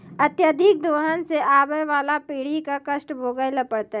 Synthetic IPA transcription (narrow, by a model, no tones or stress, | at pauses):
ɐt̪jəd̪ʱɪk̚d̪oːɦənseaːbəjʋaːlapiːɽikakɐsʈbʱoːɡəjlɐpəɽt̪a